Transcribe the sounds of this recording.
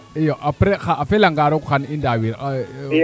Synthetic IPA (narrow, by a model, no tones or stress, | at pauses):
ijɔʔapɾɛxaʔːfɛlaŋɡaɾɔkuxanindawiɾa